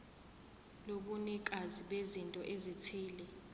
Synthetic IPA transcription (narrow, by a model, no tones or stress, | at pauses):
loɓunɛk̬ʼaziɓezintʼɔʔezitʰiːlɛ